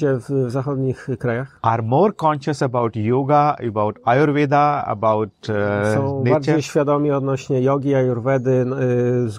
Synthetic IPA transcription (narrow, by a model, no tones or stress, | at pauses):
ɛvvzaxɔd̪ɲixkɾajaxaɾmoːɾkɔ̃nʃəsəbawʈjuɡaəbawʈajuɾved̪aə̰bawʈsɔ̃w̃nebaɾd͡ʑejɕfʲjad̪ɔmʲiɔd̪nɔɕɲɛjɔɡʲiajuɾvɛd̪ɘ | z